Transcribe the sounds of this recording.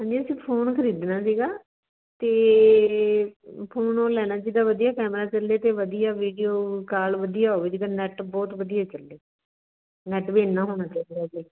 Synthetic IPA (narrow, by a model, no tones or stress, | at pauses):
ɦãːɲd͡ʒiːəsĩːpʰoːnkʰəɾiːd̪naːsiːɡaː | t̪eː | pʰoːnoːlɛːnaːd͡ʒid̪aːʋəd̪ijaːkɛːmɾaːt͡ʃəleːt̪eːʋəd̪ijaːʋiːɖijoːkaːlʋəd̪ijaːɦoːʋeːd͡ʒid̪aːnɛːʈbɔːt̪ʋəd̪ijaːt͡ʃəlːeː | nɛːʈbeːnːãːɦoːɽãːt͡ʃaːid̪aːd͡ʒiː